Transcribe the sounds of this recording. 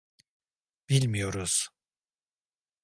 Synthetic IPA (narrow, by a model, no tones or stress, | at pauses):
b̥ilʲmijo̞ɾuz̥